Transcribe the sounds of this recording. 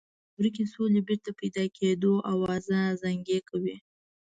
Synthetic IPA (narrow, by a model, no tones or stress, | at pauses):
bɾikisolebɪɾt̪apajd̪ɑkʰed̪oʔawɑzazaŋɡekawi